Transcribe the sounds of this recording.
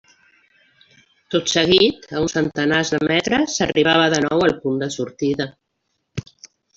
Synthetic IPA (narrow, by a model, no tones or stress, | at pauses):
t̪ot̪səɣ̞it̪əunsənt̪ənazðəmɛt̪ɾəsəriβaβ̞əðənɔwəlˠpund̪əsuɾt̪iðə